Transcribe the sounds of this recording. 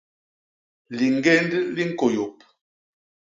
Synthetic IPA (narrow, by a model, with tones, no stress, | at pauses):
li˨ŋ˦ɡe˦ndli˦ŋ̩˦ko˨jo˨p̚